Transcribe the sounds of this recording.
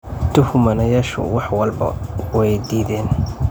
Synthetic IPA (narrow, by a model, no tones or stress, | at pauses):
t̪ʰʊhʊmɐnɐjaːʃʊ̰wɑħwɐlbɐ̰wɛjd̪iːðɛːn